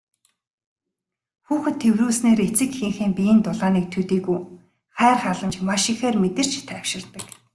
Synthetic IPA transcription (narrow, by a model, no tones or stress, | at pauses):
xuːxɘ̆t̪ʰːewruːsneːɾet͡sɘ̆kxĭŋxiːmpij̆nt̪ʊɮaːniːk̚t̪ʰɵt̪iːkuj | χæːrχaɮə̆mt͡ɕmaʃɪ̆xeːrmet̪ɘ̆r̥t͡ɕt̪ʰæːw̥ʃɪ̆rt̪ə̆k